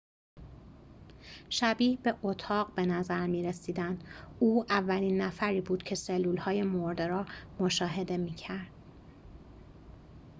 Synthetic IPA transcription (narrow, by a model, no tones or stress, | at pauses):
ʃæbiːhbe̞ʔot̪ʰɒːɣbe̞næzæɾmiːɾesiːd̪ænd̪uːævːæliːnːæfæɾiːbuːd̪̥cʰe̞selːuːlhɒːje̞moɾd̪eɾɒːmo̞ʃɒːɦe̞d̪e̞miːcʰæɾd̪̥